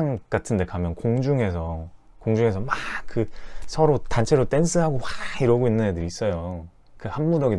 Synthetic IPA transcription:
ŋk͈atʰɯnde̞kamjʌnkoŋd͡ʑuŋe̞sʰʌ | koŋd͡ʑuŋe̞s̬ʰʌmak͈ɯsʰʌɾotant͡ɕʰe̞ɾot͈e̞nsʰɯɦaɡowaiɾwʌɡoinːɯnɲadɯɾiis͈ʌjo | kɯhamːuɾʌɡi

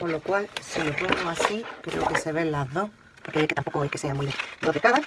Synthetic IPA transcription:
kolokwalsilopoŋɡoasikɾḛokeseβenlaðoh | poɾkeeket̪ampokoejkeseamujd̪okekaða

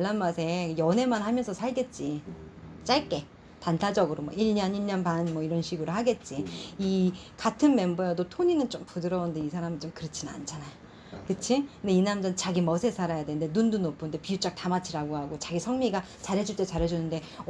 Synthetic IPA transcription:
ɭːanmasʰe̞jʌne̞manhamjʌnsʰʌsʰaɭɡe̞t̚t͡ɕ͈i | t͡ɕ͈aɭk͈e̞ | tantʰad͡ʑʌɡɯɾomwʌiɭɲʌniɭɲʌnbanmwʌiɾʌnɕʰiɡɯɾohaɡe̞t̚t͡ɕ͈iikatʰɯnme̞mbojadotʰoɲinɯnt͡ɕompudɯɾʌundeisʰaɾamint͡ɕomkɯɾɯt͡ɕʰinɯna̰nt͡ɕʰanajo | kɯt͡ɕʰikndeinamd͡ʑʌnt͡ɕaɡimʌsʰe̞sʰaɾajadenɯnde̞nundunopʰɯnde̞piut͡ɕ͈ak̚tamat͡ɕʰiɾaɡohaɡot͡ɕaɡisʰʌŋmiɡa | t͡ɕaɾɦe̞d͡ʑuɭt͈e̞t͡ɕaɾɦe̞d͡ʑunɯnde̞

